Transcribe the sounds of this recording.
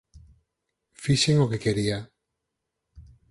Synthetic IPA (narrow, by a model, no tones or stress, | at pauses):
fiʃeŋokekeɾia